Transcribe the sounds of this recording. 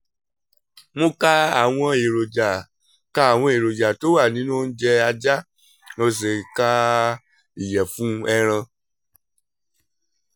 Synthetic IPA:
mõ˧ka˦a˦˨w̃ɔ̃˧e˨ɾo˨d͡ʒa˨ | ka˦a˨w̃ɔ̃˧e˨ɾo˨d͡ʒa˨to˨˦wa˦˨nĩ˨˦nũ˦˧n̩˦d͡ʒɛ˧a˧d͡ʒa˦ | no˧s̬e˨ka˦ | i˨jɛ˨fũ˨˦ɛ˧ɾ̃ã˧

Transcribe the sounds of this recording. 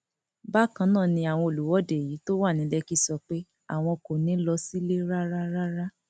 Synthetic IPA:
ba˦˨kã˧˦nãː˦˨nĩ˧a˨w̃ɔ̃˧o˨lu˨wɔ˨˦de˨ji˨˦to˦wa˦˨nĩ˨˦lɛ˦ki˦sɔ˧k͡pe˦ | a̰˦˨w̃ɔ̃˧ko˨nĩ˨˦lɔ˧si˦le˦ɾa˦ɾa˦ɾa˦ɾa˦

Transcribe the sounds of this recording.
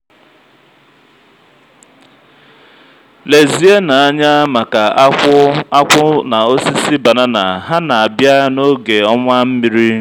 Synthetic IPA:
le˨zi˨e˦na˨a˦ɲa˦ma˨ka˨a˦kʷʊ˦a˦kʷʊ˦na˨o˦si˦si˦ba˨na˦na˨ɦa˦na˨a˨bja˦no˦ɡe˨ɔ˦ŋʷa˦m̩˦mi˨ɾi˦

